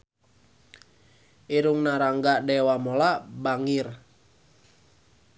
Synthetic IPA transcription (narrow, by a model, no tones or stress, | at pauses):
ʔiɾuŋnaɾaŋɡadɛwamolabaŋir